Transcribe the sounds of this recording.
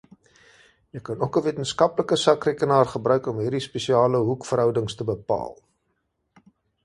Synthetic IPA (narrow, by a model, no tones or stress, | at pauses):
jəjkɐnukəviətənskɐpləkəsɐkrekənɑːrχəbɾœɥkɔmɦiːrdispesiɑːləɦukfəɾɦœwdəŋstəbəpɑ̰ːl